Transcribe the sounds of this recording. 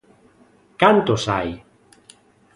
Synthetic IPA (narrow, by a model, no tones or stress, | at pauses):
kant̪osaj